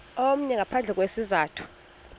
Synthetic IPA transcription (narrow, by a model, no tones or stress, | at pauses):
om̩ɲɛŋapʰand͡ɮʱɛk̬wesizaːtʰu̥